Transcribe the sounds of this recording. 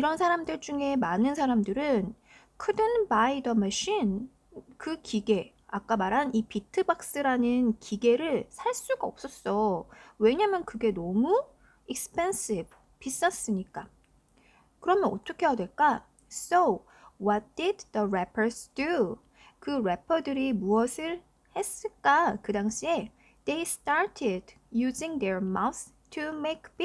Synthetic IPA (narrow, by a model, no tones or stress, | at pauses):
iɾʌnsʰaɾamdɯɭd͡ʑuŋe̞manɯnsʰaɾamdɯɾɯn | kʰɯdɯnbaidʌmʌɕin | kɯkiɡe̞ | ak͈amaɾɦanipitʰɯbak̚s͈ɯɾanɯnkiɡe̞ɾɯɭsʰaɭs͈uɡaʌp̚s͈ʌs͈ʌwe̞ɲamjʌnkɯɡe̞nɔmu | ik̚spʰens͈ib | pis͈as͈ɯɲik͈a | kɯɾʌmjʌnʌt͈ʰokʰe̞jadwe̞ɭk͈a | so | wʌt̚d̥idðəɾepʰə˞sdu | kɯɾepʰʌdɯɾimuʌsʰɯɭ | he̞s͈ɯɭk͈akɯdaŋɕʰie̞ | d̥ejst͈aɹtʰɪd | juziŋdeɹmawθ | tʰumekʰb